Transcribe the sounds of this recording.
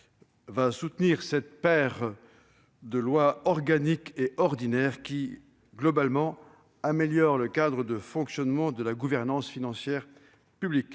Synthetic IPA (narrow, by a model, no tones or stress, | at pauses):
vasut̪niʁsɛt̪pɛʁ | d̪əlwaɔʁɡanikeʔɔʁd̪inɛʁkʲi | ɡlɔbalmɑ̃ | ameljɔʁləkad̪ʁəd̪əfɔ̃ksjɔnmɑ̃d̪əlaɡuvɛʁnɑ̃sfinɑ̃sjɛʁ | pyblik